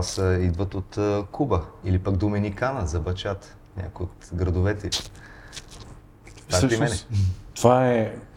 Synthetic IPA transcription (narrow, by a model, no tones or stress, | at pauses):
səid̪vət̪ot̪kubəilipəɡd̪omɛnikanəzɐbɐt͡ʃat̪ | nʲʔa̰kʊjot̪ɡɾɐd̪ʊvɛt̪ɛ | apɾimɛnɛt̪ovaɛ